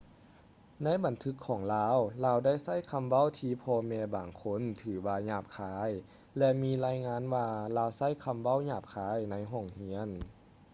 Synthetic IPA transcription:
na˧˥˨jba˨˦nt̪ʰɯ˧˥kʰːɔː˨˩˦ŋlaː˧˥wlaː˧wda˥˩jsa˥˨jkʰa˧mʋa˥˨wt̪ʰiː˧˥pʰɔː˧mɛː˧baː˨˩ŋkʰo˧˥˨nt̪ʰɯː˩˦waː˧ɲaː˧˩p̚kʰaː˧˥j | lɛ˧miː˧˥laː˧jŋaː˧˥˨nwaː˧laː˧wsa˥˨jkʰa˧mʋa˥˨wɲaː˧˩p̚kʰaː˧˥jna˧˥jɦɔː˧˩ŋhi˧˥ən

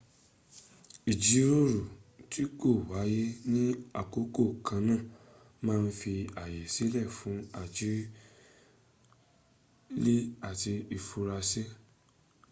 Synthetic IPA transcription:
i˨d͡ʒi˨˦ɾo˦ɾu˨ti˦ko˦˨wa˨˦je˦nĩ˦a˦˨ko˨˦ko˦˨kã˧nã˦˨ | mãː˦˧n̩˦fi˧a˨je˨si˨˦lɛ˦˨fũ˨˦a˦˨d͡ʒi˨˦ | le˦a˨ti˧i˧fu˧ɾa˧se˦

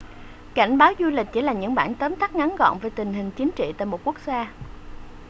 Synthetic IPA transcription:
ka̰˧˩jŋ̟ɓaː˨˦wzu˧lï˨˩k̟̚t͡ɕḭ˧˩˦laː˨˩ɲɨ̰˧˥ŋɓaː˧˩nt̪əː˨˦mt̪a˦˥k̚ŋa˨˦nɣɔ̰˧˨nvəː˨˩jt̪ï˨˩ŋ̟ɦï˨˩ŋ̟t͡ɕi˨˦ənt͡ɕḭ˧˨t̪a̰ː˧˨jmo˨˩t̚ku˦˥ək̚zaː˧

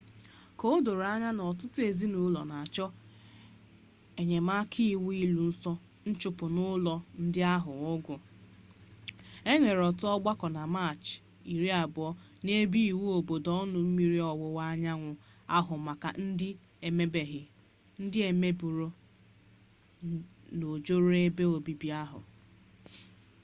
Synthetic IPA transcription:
ko˦do˨ɾa˦ɲa˦nɔ˨tʊ˦tʊ˦e˨zi˦nʊ˨˦lɔ˨na˨a˨t͡ʃɔ˦ | e˨ɲe˨ma˦kʰi˦˨wu˦i˦lu˨n̩˦sɔ˦ | n̩˦t͡ʃʊ˨pʊ˨nʊ˦lɔ˨n̩˦dɪ˦a˦ɦʊ˨ʊ˦ɡʊ˨ | e˦ŋʷe˨ɾɔ˨tʊ˦ɔ˦ɡ͡ba˦kɔ˨na˨ma˦˨t͡ʃ | i˨ɾi˦a˨bʊ˨ɔ˦ | ne˦bi˦i˨wu˦o˨bo˨dɔ˦nʊ˨m̩˦mi˦ɾi˦ɔ˨wʊ˨wa˦ɲa˦ŋʷʊ˨ | a˦ɦʊ˨ma˨ka̰˨n̩˦dɪ˦ | e˨me˦be˨ɦɪ˨ | n̩˦dɪ˦e˨me˦bu˨ɾo˦ | no˨d͡ʒo˦ɾo˦e˦be˦o˨bi˨bi˦a˦ɦʊ̰˨

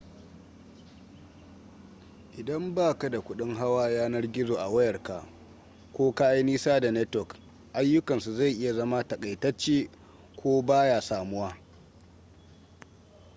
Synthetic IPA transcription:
ʔɪ˨dɐ˦mbaː˦˨ka˨da˨kʷʊ˦ɗɪ˦ŋɦa˦waː˦jaː˦nɐ˦rɡʲɪ˦zoː˨ʔa˨wɐ˦jɐ˨rka̰˨ʔ | kʷoː˦ka˦ʔa˦jniː˦saː˦da˨nɛ˦tɔ˨k | ʔa˦jːʊ˦kɐ˨nsu˨za˦˨jʔɪ˦ja˨zɐ˦ma˦tɐ˨kʼa˨jtɐ˦t͡ʃːeː˦ | kʷoː˦baː˦jaː˨saː˨mʊ˦waː˦

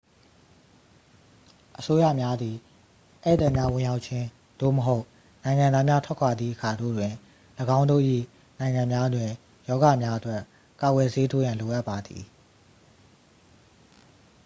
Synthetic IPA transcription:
ʔəso˦ja̰˦˨mja˦d̪i˨ | ʔɛ˦˨t̪ɛ˦˨mja˦wɪ̃˨ja˦ʊʔt̚t͡ɕʰɪ̃˦ | d̥o̰˦˨məɦo˦ʊʔ | nã˨ɪ̃ŋã˨nd̪a˦mja˦tʰwɛ˦˨kʰwa˨d̪ðḭ˦˨ʔəkʰa˨do̰˦˨dwɪ̃˨ | ləɡã˦ʊ̃ndo̰˦˨ʔḭ˦˨ | nã˨ɪ̃ŋã˨mja˦dwɪ̃˨ | jɔ˦ɡa˨mja˦ʔətwɛ˦ | ka˨ɡwɛ˨se˦tʰo˦jã˨lo˨ʔa˦ʔpːa˨d̪ḭ˨

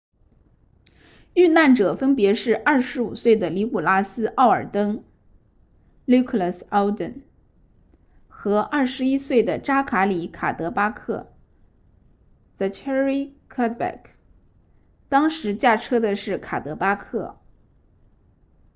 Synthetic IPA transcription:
y˥˧na˥˩nʈ͡ʂɤ˨˩fə˥npjɛ˧˥ʂɻ̩˥˧ʔɐ˞˥˩ʂɻ̩˧˥u˨˩swe˥˩ɪd̪ə˩li˧˥ku˨˩la˥sɹ̩˥ʔɑ˥˩ʊə̰˞˨˩t̪ɤ˥ŋ | lu˥kʰlə˥˩sɑ˥ʊd̪ə̰˨˩n | xɤ˧˥ʔɐ˥˩ʂɻ̩˧˥i˥swe˥˩ɪd̪ə˩ʈ͡ʂa˥kʰa˧˥li˧˥kʰa̰˨˩t̪ɤ˧˥pa˥kʰɤ̰˥˩ | t͡sa˧˩ɪkʰɛ˥ɹi˥kʰa˥t̪̚bɛ̰˨˩k | t̪ɑ˥ŋʂɻ̩˧˥t͡ɕja˥˩ʈ͡ʂʰɤ˥d̪ə˨ʂɻ̩˥˩kʰa̰˨˩t̪ɤ˧˥pa˥kʰɤ̰˥˩

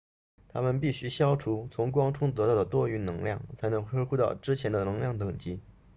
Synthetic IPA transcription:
t̪ʰa˥mə˨npi˥˩ɕy˧˥ɕjɑ˥ʊʈ͡ʂʰu˧˥t͡sʰʊ˧˥ŋkwɑ˥ŋʈ͡ʂʰʊ˥ŋt̪ɤ˧˥t̪ɑ˥˩ʊə˩t̪wɔ˥˧y˥˩nnɤ˧˥ŋljɑ˥˩ŋt͡sʰa˧˥ɪnɤ˧˥ŋʰɤ˥xu˥˧t̪ɑ˥˩ʊʈ͡ʂɻ̩˥t͡ɕʰjɛ˧˥nd̪ə˧nɤ˧˥ŋljɑ˥˩ŋt̪ɤ˨˩ŋt͡ɕi˧˥

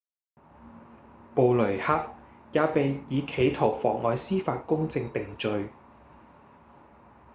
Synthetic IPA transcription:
po˨wlɵ˨˩ha˥k̚jaː˨˧pe˨jjiː˨˧kʰe˨˧jt̪ʰo˨˩wfɔː˨˩ŋɔː˨˧jsiː˥faː˧t̚kʊ˥ŋt͡sɪ˧ŋt̪ɪ˨ŋt͡ʃɵ˨˧ɥ

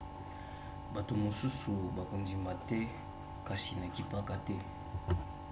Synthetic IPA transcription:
ba˨to˨mo˨su˦su˨ba˨ko˨ndi˨ma˨tɛ˦ | ka˦si˨na˨ki˦pa˦ka˦tɛ˦

